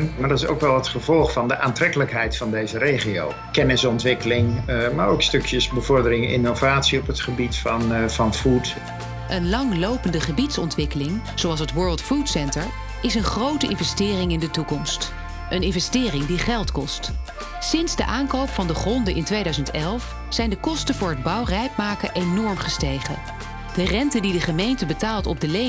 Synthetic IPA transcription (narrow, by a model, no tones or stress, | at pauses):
maɹdɑtɪso̰wkʋɛlˠətχəvɔlˠχfɑndəʔaːntrɛkələkɦɛjtfɑndejzəɾejχio̰w | kɛnɪsɔntʋɪkəlɪŋmaːɹowkstɵkjəsbəvɔɹdəɾɪŋɪ̰novaːtsiɔpətχəbitfɑnvɑnfut | ʔənlɑŋlowpəndəχəbitsɔntʋɪkəlɪŋ | z̥oɑlˠsɦətʋɜɹlˠtfutsɛntəɹ | ɪsənχrowtəʔɪnvɛstɪːrɪŋɪndətukɔmst | ʔənɪnvɛstɪːrɪŋdiχɛlˠtkɔst | sɪnz̥də̰ʔaːnkowpfɑndəχrɔndəʔɪntʋejdœɥzəntɛlˠf | sɛjndəkɔstəvʊːɹɦəd̚bɑwrɛjkmaːkəʔejnɔɹmχəstejχə̰ | d̥ərɛntədidəχəmejntəbətaːlˠtɔb̚dəle